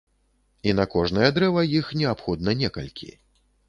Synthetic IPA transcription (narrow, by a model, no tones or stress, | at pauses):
inɐkɔʐnɐjɛd̪ɾɛvɐjixnʲɛapxɔd̪̚nɐnʲɛkɐ̰lʲkʲʰḭ